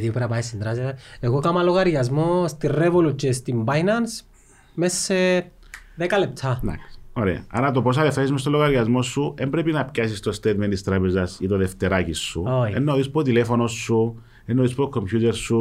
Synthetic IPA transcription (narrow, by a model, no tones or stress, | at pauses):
ðiupɾɐpaisind̪ɾaseeɣokamɐloɣɐɾʝɐzmost̪irevolut͡ʃest̪imbajnɐns | messe | ðekɐlep̚t̪ʰɐnɐ̰ksoɾḛɐ̰ɐ̰ɾɐt̪opo̞s̬ɐleft̪esizmest̪olːoɣɐɾʝɐzmo̞sːuembɾepinɐpcɐsist̪ost̪et̪ment̪ist̪ɾapezɐsit̪oleft̪eɾacisːuojḛnːoðispot̪ilefo̞no̞sːu | enːoðispokʰːompʰçut̪eɾsːu